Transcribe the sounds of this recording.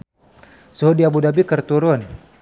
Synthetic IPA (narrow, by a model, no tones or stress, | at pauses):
soɦodiabudabikərt̪uɾʊn